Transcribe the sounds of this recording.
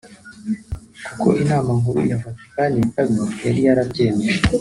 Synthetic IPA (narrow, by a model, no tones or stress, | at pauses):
kuko̰ʔinaːmaŋɡuɾṵjafati̥kaɲekabojaɾijaɾaɟeːneʃe